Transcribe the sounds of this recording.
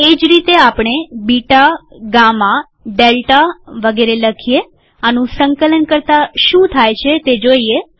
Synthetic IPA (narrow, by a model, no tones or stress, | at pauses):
ed͡ʒɾit̪eapɳ̃ebiʈaɡamã | ɖelʈaʋəɡeɾeləkʰije | anũsəŋkələnkəɾt̪aʃũt̪ʰajt͡ʃʰet̪ed͡ʒoie